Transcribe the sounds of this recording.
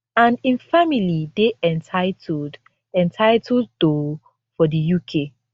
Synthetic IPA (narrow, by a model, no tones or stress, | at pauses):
ãnĩnfamilideʔɛ̃ntʰaɪtd | ɛ̃ntʰaɪtʰɔddo | fɔdijukʰe